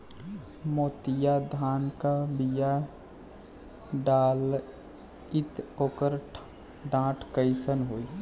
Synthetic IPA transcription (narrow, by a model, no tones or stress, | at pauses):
moːt̪ijad̪ʱaːnkabija | ɖaːl | ɪt̪oːkəɾʈ | ɖãːʈʰkəɪsənɦoːi